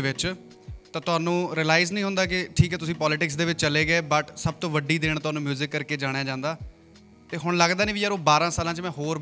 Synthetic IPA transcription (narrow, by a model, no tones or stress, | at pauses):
ʋɪt͡ʃ | t̪ãːt̪ʊaːnũːɾiːlaːɪznəĩːɦʊ̃nd̪aːk̬ɪʈʰiːkɛːt̪ʊsĩːpɔːlɪʈɪksd̪eːʋɪt͡ʃːt͡ʃəleːɡeːbəʈsəb̚t̪õːʋəɖiːd̪eːɳt̪ʊɦaːnũːmjuːzɪkːəɾkeːd͡ʒaːɽ̃jaːd͡ʒãːnd̪aː | t̪eːɦʊɽ̃ləɡd̪aːnĩːʋijəɾoːbaːɾãːsaːlãːt͡ʃmɛ̃ːɦoːɾ